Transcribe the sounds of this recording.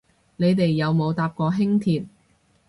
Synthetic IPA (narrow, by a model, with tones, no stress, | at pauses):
ne˨˧jt̪e˨jːɐ˨˧wmo˨˧wt̪aː˧p̚kɔː˧ɦɪ˥ŋt̪ʰiː˧t̚